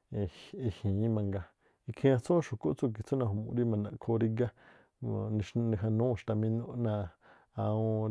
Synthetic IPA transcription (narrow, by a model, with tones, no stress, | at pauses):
i˧hĩː˨˦mã˧ŋɡa˧ | i˧kʰĩ˦ã˧t͡sõ˦ʃu˨ko˦ʔt͡su˦˧˨k̬i˧t͡so˦nã˧ɦo˨mṵ̃˧ɾi˦mã˧nã˧ʔkʰo˧ɾi˧ɡã˦˧ | ʃnĩ˧ɦa˧nũ˦˧˨ʃt̪a˧mĩ˧nõ˦ʔnã˧ | a˧ũ˧